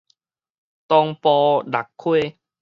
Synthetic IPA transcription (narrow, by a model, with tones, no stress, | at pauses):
t̪ɔ˧ŋpɔː˧da˨˩kʰːwe˥˦˨